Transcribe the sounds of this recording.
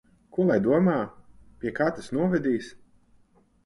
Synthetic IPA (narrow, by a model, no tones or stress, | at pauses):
kuɔlˠajd̪uɔmaːpʲiɛkaːt̪asnuɔvʲɛd̪ʲiːs